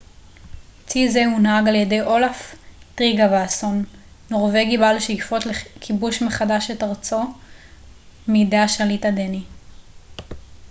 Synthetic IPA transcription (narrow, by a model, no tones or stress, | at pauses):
t͡sizeunhaɡaljede̞jʔo̞laftʁiɡavaaso̞nː | o̞ʁve̞ɡibalʃejfo̞tlekʰibuʃme̞χadaʃetaʁt͡so̞ | mideaʃalitadeni